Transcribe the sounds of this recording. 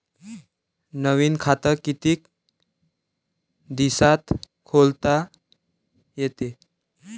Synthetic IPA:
nəʋiːnkʰat̪əɾkit̪iːk | d̪isat̪ | kʰolt̪a | jet̪e

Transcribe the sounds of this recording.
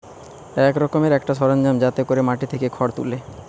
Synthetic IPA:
ɛkɾɔkomeɾɛkʈaʃɔɾand͡ʑamd͡ʑat̪ekoɾemaʈit̪ʰekekʰɔɽt̪ṵle

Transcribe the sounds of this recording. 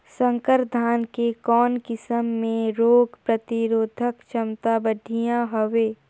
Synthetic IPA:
sə̃ŋkəɾd̪ʱaːnkekɔːnkɪsəmːẽɾoːɡpɾət̪ɪɾoːd̪ʱəkt͡ʃʰəmt̪abəɖʱijãɦoʋeː

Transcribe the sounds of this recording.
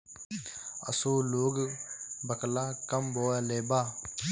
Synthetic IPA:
ə̰soːloːɡbəklaːkəmboːaleːbaː

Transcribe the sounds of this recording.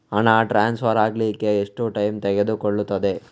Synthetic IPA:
ɐnaːʈɾaːnspʰɐɾaːɡlike̞ːʂʈuʈɐjmt̪ɛɡed̪ukoɭːut̪ːɐd̪e̞

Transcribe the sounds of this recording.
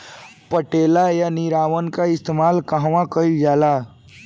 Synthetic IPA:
pəʈeːlajanɪɾaːʋənkaɪst̪emaːlkəɦʋãkəid͡ʒaːla

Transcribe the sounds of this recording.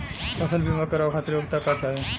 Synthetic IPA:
ɐsəlbʱimakəɾaʋkʰat̪ɾjoɡt̪akat͡ʃaːɦe

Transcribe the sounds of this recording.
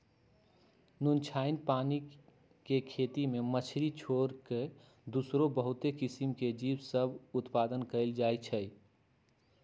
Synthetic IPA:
nunt͡ʃʰaɪnpani | kekʰet̪imemət͡ʃʰɾit͡ʃʰoɾke | d̪usɾobəɦut̪ekisimked͡ʒibsəbʱut̪pad̪ənkəɪld͡ʒajt͡ʃʰəj

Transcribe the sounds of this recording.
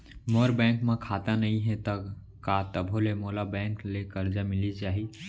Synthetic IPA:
moɾbɛ̃ŋkmekʰat̪anəĩɦɛ̃t̪ək | kat̪əbʱolemolabɛ̃ŋklekəɾd͡ʒamɪlit͡ʃaːɦi

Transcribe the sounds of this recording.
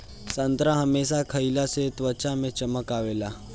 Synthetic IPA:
sənt̪ɾãɦəmeːsakʰəilaset̪ʋət͡ʃamẽt͡ʃəməkaːʋeːla

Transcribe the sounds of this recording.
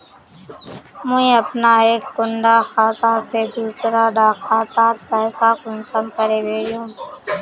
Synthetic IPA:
muĩːəpnaːeːkːʊɳɖaːxaːt̪aːseːd̪uːsɾaːɖaːxaːt̪aːt̪pɛːsaːkʊnsəːnkəɾeːʋeːɽjõː

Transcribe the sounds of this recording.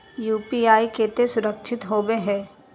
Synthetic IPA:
juːpiaːikeːt̪esʊɾəkʃʰɪt̪ɦoːbeɦɛ̃ː

